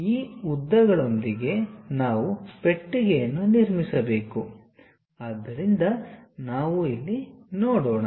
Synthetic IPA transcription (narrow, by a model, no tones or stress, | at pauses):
iːud̪ːɐɡɐɭo̞nd̪iɡe̞naːʋupe̞ʈːiɡejɐnːuniɾmisɐbe̞ːku | ad̪ːɐɾind̪ɐnaːʋuilːinoɔːɽoːɳa